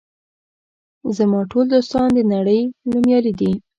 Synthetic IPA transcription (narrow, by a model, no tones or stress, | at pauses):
zamɑʈold̪ost̪ɑnd̪ənaɽəjlumjɑlid̪i